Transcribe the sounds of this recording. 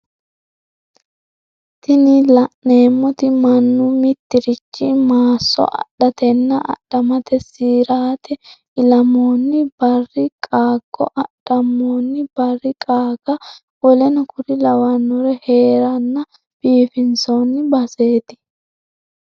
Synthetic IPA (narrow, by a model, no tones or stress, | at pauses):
t̪ɪnɪlɐʔne̞ːmːɔt̪ɪmɐnːʊmɪt̪ːɪɾɪt͡ʃːɪmaːsːɔ̰ʔɐ̰ɗɐt̪ɛnːɐʔɐ̰ɗːɐmɐt̪ɛsiːɾaːt̪ʰɛ | ɪlɐmoːnːɪb̥ɐrːɪkʼaːɡ̥ːɔ̰ʔɐɗ̥ːɐmːoːnːɪbɐrːɪkʼaːɡ̥ɐ | wɔlɛnɐkʰʊɾɪlɐwɐnːɔɾɛhe̞ːɾɐnːɐ | b̥iːfɪnsownːɪbɐse̞ːt̪ɪ̥